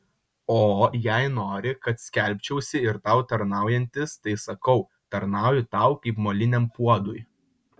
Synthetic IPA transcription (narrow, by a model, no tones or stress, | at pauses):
oːjæɪnoːɾʲɪkɐt̪sʲkʲɛˑlʲpʲt͡ʃʲɛʊsʲɪɪɾt̪ɑʊt̪ɐɾnɑˑʊjɛnʲt̪ʲɪst̪ɐɪsɐkɐʊ | t̪ɐɾnɑˑʊjʊt̪ɑˑʊkɐɪpmoːlʲɪnʲɛmpuɔd̪ʊj